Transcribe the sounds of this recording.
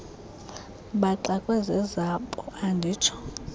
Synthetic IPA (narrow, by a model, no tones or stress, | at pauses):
ɓaǃakʼwɛzɛzapʼɔandʱiːt͡ʃʰɔ̥